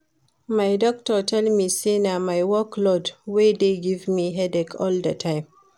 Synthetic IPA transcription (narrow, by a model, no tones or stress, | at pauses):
majdɔk̚tɔtʰɛlmisenamajwɔklɔdwedeɡivmiɦɛdɛkʰɔldatʰãɪm